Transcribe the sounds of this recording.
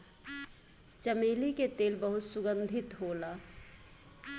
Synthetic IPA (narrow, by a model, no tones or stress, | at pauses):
t͡ʃəmeːliket̪eːlbɐɦʊt̪sʊɡə̃nd̪ʱɪt̪ɦoːlaː